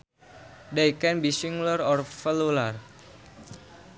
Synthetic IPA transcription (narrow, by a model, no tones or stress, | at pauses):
daikɛnbisiŋɡlərɔrfəlular